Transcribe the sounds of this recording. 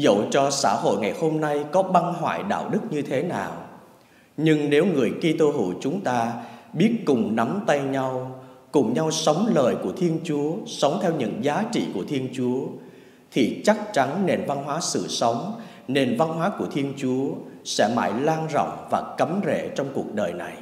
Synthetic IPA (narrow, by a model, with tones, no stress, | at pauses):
zə̰˧˨wt͡ɕɔ˧sa̰ː˧˩ho̰˧˨jŋa˨˩jho˧mna˧jkɔ˨˦ɓa˧nɦwa̰ː˧˨jɗa̰ː˧˨wɗɨ˦˥k̚ɲɨ˧t̪ʰe˨˦naː˨˩w | ɲɨ˧ŋne˨˦wŋɨ˨˩əjki˧t̪o˧ɦṵ˧˩˨t͡ɕʊ˨˦ŋ͡mt̪aː˧ɓi˦˥ət̚kʊ˨˩ŋ͡mna˨˦mt̪a˧jɲa˧wkʊ˨˩ŋ͡mɲa˧wsə˨˦wŋ͡mləː˨˩jku˧˩ət̪ʰi˧ənt͡ɕu˨˦əsə˨˦wŋ͡mt̪ʰɛ˧wɲɨ̰˧˥ŋzaː˨˦t͡ɕḭ˧˨ku˧˩ət̪ʰi˧ənt͡ɕu˨˦ə | t̪ʰi˨˩t͡ɕa˦˥k̚t͡ɕa˨˦nne˧nva˧nɦwaː˨˦sɨ̰˧˨sə˨˦wŋ͡m | ne˧nva˧nɦwaː˨˦ku˧˩ət̪ʰi˧ənt͡ɕu˨˦əsɛ̰˧˥ma̰ː˧˩jlaː˧nzɔ̰˧˨wŋ͡mvaː˨˩kə˨˦mzḛ˧˨t͡ɕɔ˧wŋ͡mku˨˩ək̚ɗəː˨˩jna˨˩j